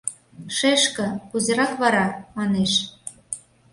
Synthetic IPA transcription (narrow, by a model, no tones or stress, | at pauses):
ʃeʃkə̆kuzĕɾɑkβɑɾɑmɑneʃ